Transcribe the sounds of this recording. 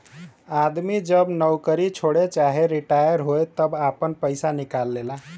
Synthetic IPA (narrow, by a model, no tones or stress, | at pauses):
ad̪mid͡ʒəbnəwkəɾit͡ʃʰoɽet͡ʃaɦeɾiʈajəɾɦojt̪əbapənpəɪsanikalːela